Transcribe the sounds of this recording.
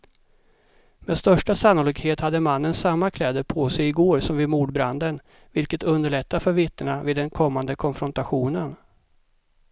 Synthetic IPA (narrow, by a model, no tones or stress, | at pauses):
mɛd̪st̪œʂʈasanːoːlɪːɡheːt̪had̪ːəmanːənsamːakʰlɛːd̪əpʰoːsɛjɪɡoːɾsɔmvɪːd̪muːɖbɾand̪ən | vɪlkət̪ɵnd̪əɭɛt̪ːafœɾvɪt̪ːəɳavɪːd̪ːɛnkʰɔmːand̪əkʰɔnfɾɔnt̪aɧuːnən